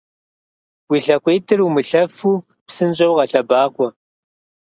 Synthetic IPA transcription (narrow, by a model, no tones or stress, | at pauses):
wiɬɐkʷʼeːtʰɨrumɨɬɐfuː | psɨnɕʼɐwʁɐɬɐbaːkʷʼɔ